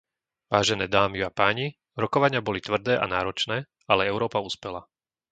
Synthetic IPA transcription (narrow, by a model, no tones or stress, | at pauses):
ʋaːʒɛnɛːd̪aːmiuapaːɲi | ɾɔkɔʋaɲɪabɔlit̪ʋr̩d̪ɛːʔa̰naːɾɔt͡ʃnɛː | alɛɛʊɾɔːpauːspɛla